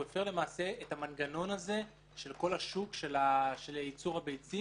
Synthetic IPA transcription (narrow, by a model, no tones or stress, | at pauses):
efe̞ʁlemaːse̞etamanɡano̞naze̞ | ʃe̞lko̞laʃukʃelaʃelit͡suʁhabejt͡si